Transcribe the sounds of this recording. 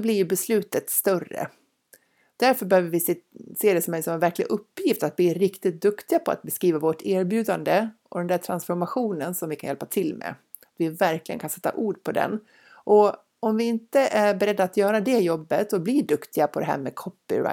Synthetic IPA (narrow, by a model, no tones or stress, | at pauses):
sɔblɪɾjɵbɛslʉ̟ːt̪ət̪st̪œrːə̰ | d̪̥æɾfœɾbɛhøːvəɾvɪseːd̪ɛsɔmɛnsɔmɛnvæɾklɪɡʔɵpːjɪft̪at̪̚blɪɾɪkt̪ɪt̪̚d̪ɵkt̪ɪɡapʰɔa̰t̪̚bɛskɾiːvavoʈæːɾbjʉ̟ːd̪and̪əʔɔ̰d̪ɛnd̪æːʈʰɾansfɔɾmaɧuːnənsɔmvɪkʰanjɛlpat̪ʰɪlːmɛ̰ | at̪vɪvæɾklɪɡə̰nkansɛt̪ːa̰ʔuːɖpʰɔd̪ɛ̰n | ʔɔ | ɔmvɪɪnt̪əʔæbɛɾɛd̪ːaːt̪jœːɾad̪ɛjɔbːət̪sɔblɪɖɵkt̪ɪɡapʰɔd̪ɛɦæ̰ːɾmɛkʰɔpːɪ̰ɾa̰